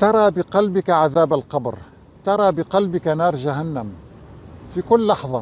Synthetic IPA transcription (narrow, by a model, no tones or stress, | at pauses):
t̪ɑɾˤɑːbɪqɑlbɪkaʕaðaːbalqɑbɾ | t̪ɑɾˤɑːbɪqɑlbɪkanɑːɾˤʒaɦanːam | fikʊlːɑħðˤɑ